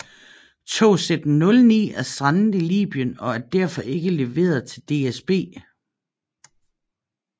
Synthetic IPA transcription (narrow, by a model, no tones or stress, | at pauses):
t͡sʰo̝̰ːsed̥n̩nːɔ̽lnḭːæɐsd̥ʁɑ̈nn̩ˠilḭːb̥ijənɒ̽æɐd̥æɐ̰fɒ̽ʔe̝ɡ̥əle̝ʋe̝̰ːɐð̩ˠt͡sʰe̝ld̥e̝esb̥e̝̰ː